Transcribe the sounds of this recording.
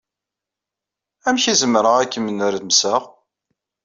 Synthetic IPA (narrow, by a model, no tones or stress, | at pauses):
æmçizəmɾəʁækːəmənʊɾðmsəʁ